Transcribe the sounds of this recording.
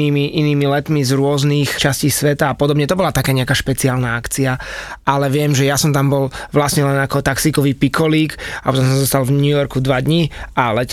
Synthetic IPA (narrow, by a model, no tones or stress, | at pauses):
iːmiʔiniːmilɛt̪mizɾʊɔzniːxt͡ʃasciːsʋɛt̪aːpɔd̪ɔbɲɛt̪ɔbɔlat̪akɛːɲɛakaːʃpɛt͡siaːlnaakt͡siaʔalɛʋɪɛmʒɛjasɔmt̪ambɔlʋlasɲɛlɛnakɔt̪aksiːkɔʋiːpikʰɔliːkapɔt̪ɔ̃mszɔst̪alvɲujɔɾkud̪ʋad̪ɲialɛ